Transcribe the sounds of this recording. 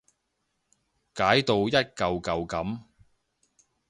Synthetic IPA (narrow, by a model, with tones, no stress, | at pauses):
kaː˨˥jt̪o˧wjɐ˥t̚kɐ˨wkɐ˨˧wkɐ˨˥m